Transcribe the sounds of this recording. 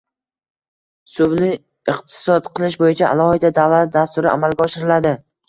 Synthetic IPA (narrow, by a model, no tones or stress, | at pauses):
sʊvlɪ | ɪqt̪ʰɪ̥sɒt̪qʰɨlˠɪʃbojɪt͡ʃʰaa̰lˠɒhɪd̪ad̪avlat̪̚d̪ast̪ʊɾɪʔa̰malɡʲaɒʃɪɾɪlad̪ɪ